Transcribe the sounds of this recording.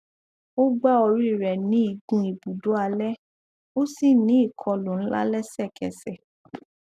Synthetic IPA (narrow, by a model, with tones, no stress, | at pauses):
o˦ɡ͡ba˦ɔ˧ɾi˦˨ɾɛ˨nĩ˨˦i˨˧ɡũ˧˦i˨bu˨do˨˦a˧lɛ˦ | o˦si˦˨nĩ˨˦i˦˨kʰɔ˧lo˨n̩˦la̰˦lɛ˦sɛ˦˨kɛ˨sɛ˨